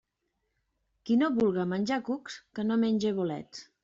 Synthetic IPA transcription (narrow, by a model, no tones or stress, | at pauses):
kinoβulɣəmənʲʒakukskənomenʲd͡ʒeβ̞olɛ̰t̪